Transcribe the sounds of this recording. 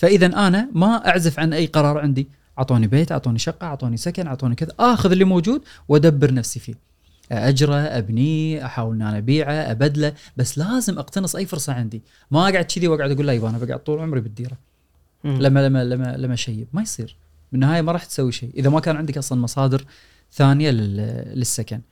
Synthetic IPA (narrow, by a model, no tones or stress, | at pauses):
faʔɪðanʔanamaʔaʕzafʕanʔajːqɑɾˤɑːɾˤʕɪnd̪i | ʔɑʕt̪ˤoːnibeːt̪ʔɑʕt̪ˤoːniʃɑqːɑʔɑʕt̪ˤoːnisakanʕɑʕt̪ˤoːnikɪðaʔaːxʊðɪlːiːmowd͡ʒuːd̪̚wʔad̪abːɨɾnafsifḭː | ʔʔad͡ʒɾˤaʔabniʔaħaːwɪlniʔanaʔabiːʕaʔa̰bad̪labasːlaːzɪmʔɑqt̪anɨsˤʔajːfʊɾsˤɑʕɪnd̪i | maʔaɡaʕd̪t͡ʃɪðiwaɡʕʊd̪ʔaɡuːlːajbaːnabaɡaʕa̰d̪̚t̪ˤuːlʕʊmɾibɪd̪ːiːɾa | lamːalamːalamːalamːaʃajːbmajsˤiːɾ | bɪnːahaːjamɑɾˤɑːħt̪sawːiʃeːʔɪðamakaːnʕɪnd̪aikʔɑsˤlɑnmɑsˤɑːd̪ɪɾ | θaːnjalɪlɪsːakan